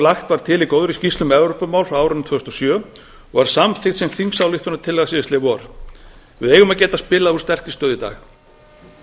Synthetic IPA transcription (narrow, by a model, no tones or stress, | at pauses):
laxt̪vaɾ̥t̪ʰɪlikoːwðɾʏscist̪lʏmɛvɾowpʏmaːwlfɾaaːwɾʏnt̪ʰvœːʏst̪ɔsjœː | ɔɣvaɾ̥samθɪxt̪sɛmθiŋksawlɪht̪ʰɔnːat̪ʰɪlːɛɣasɪːɪst̪ɪvɔɾ | vɪðejɣʏmaðcɛːt̪aspɪːlaðu̥st̪ɛr̥cɪ̥st̪œːðɪt̪a̰ːx